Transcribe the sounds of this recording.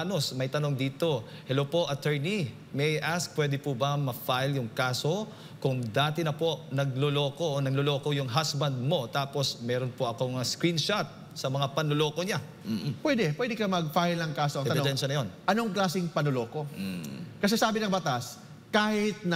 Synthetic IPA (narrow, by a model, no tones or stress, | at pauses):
no̞smɐjt̪ɐno̞ŋd̪iːt̪o̞ | hɛlopo̞ʔɐt̪ɛɹni | mɛjʔask̚pwɛd̪ɛpubɐmɐfajljʊŋkaːso̞ | kʊŋd̪aːt̪ɛnɐpo̞ʔnɐɡ̚lolo̞ːko̞ʔonɐɡlolo̞ːkojʊŋɦasbɐnd̪̚mo̞t̪aːpo̞smɛːɾonpoʔɐko̞mɐskɾinʃat̪̚ | sɐmɐŋapɐnlolo̞ːko̞ɲa | pwɛd̪ɛpwɛd̪ɪkɐmɐɡ̚fajlɐŋkaːsoʔɐŋɛɐbɪd̪ɛnʃɐnɐjo̞nʔɐno̞ŋklaːsɪŋpɐnolo̞ːko̞ | kɐs̬ɛsaːbɪnɐŋbɐt̪as | kaːhɪt̪̚n